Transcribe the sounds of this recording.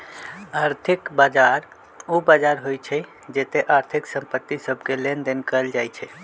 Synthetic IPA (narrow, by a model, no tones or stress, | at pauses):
aɾt̪ʰikbad͡ʒaɾ | ubad͡ʒaɾɦojt͡ʃʰɛ | d͡ʒet̪eʔaɾt̪ʰiksəmpət̪ːisəbʱkelend̪enkəld͡ʒajt͡ʃʰɛ